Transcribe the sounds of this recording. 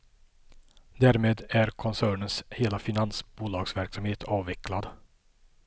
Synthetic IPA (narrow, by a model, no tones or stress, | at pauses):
d̪æːɾmeːd̪æɾkʰɔnsæːɳənsheːlafɪnansbuːlɑːɡsvæɾksamheːt̪ʰɑːvɛklad̪